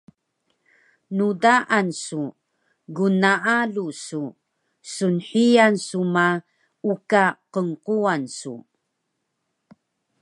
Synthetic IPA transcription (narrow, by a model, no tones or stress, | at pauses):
nudaʔansu | ɡunaalusu | sunħijansuma | ukaqəŋquansṵ